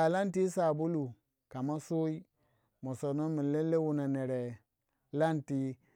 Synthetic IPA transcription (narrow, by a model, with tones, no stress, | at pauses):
a˨la˦nti˦sa˨bu˦lu˨ | ka˨ma˦so˦i˦ | mo˨so˨no˦mi˨le˦lːe˦wu˨na˨ne˨ɾe˨ | la˦nti˦